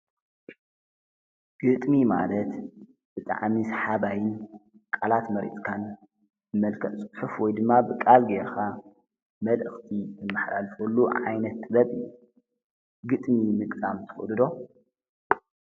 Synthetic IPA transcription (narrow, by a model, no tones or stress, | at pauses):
ɡ̥ɨt̪ʼmima̰lɐt̪ | b̥ɨt̪ʼa̰ʕmisħabajɪnkʼalat̪mɐɾḭt̪ʼkʰan | ɨmɐlkʰɐt̪ʼt͡sʼɨħufwɔjd̪ɨmːabɨkʼalɡeɾka | mɐlʔɨxt̪ʰit̪ʰɨmːɨħla̰lfulːuʕa̰jnɐt̪ːɨbɐβɨjːu | ɡɨt̪ʼmimɨkʼt̪ʼamt̪ʰɨ̥xɨlɨd̪o̞